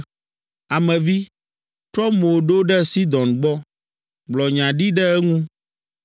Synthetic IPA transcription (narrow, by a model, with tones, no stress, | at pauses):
a˨mɛ̃˨vi˦ | t̪ɾɔ˦mo˨ɖo˦ɖɛ˦si˦d̪ɔ̃˨nɡ͡bɔ˦ | ɡ͡blɔ˨ɲã˨ɖi˦ɖɛ˦ɛ˦ŋũ˦